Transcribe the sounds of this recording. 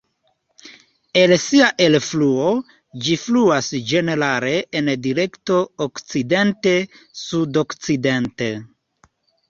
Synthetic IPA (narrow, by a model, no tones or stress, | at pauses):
e̞lsiaʔe̞lfluo̞ | d͡ʒifluasd͡ʒe̞ne̞ɾale̞ʔːndiɾe̞kto̞okt͡side̞nte̞ | sudo̞kt͡side̞nte